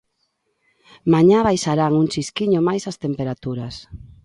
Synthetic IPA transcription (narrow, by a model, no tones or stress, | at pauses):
maɲaβajʃaɾaŋuŋt͡ʃiskiɲomajsast̪empeɾat̪uɾas